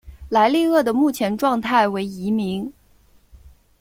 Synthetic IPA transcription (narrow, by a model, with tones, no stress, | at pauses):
la˧˥ɪli˥˧ɤ˥˩d̪ə˩mu˥˩t͡ɕʰjɛ˧˥nʈ͡ʂwɑ˥˧ŋt̪ʰa˥˩ɪwe˧˥ɪi˧˥mi˧˥ŋ